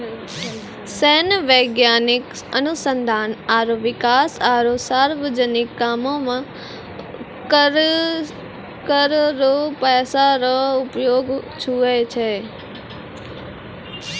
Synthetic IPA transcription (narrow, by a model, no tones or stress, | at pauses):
sɛːnəʋeːɡjaːnɪk | ənʊsə̃nd̪ʱaːnaːɾoʋɪkaːsaːɾosaːɾʋəd͡ʒənɪkːaːmõmã | ɾ | kəɾɾopɛːsaɾoʊpjoːɡt͡ʃʰuet͡ʃʰeː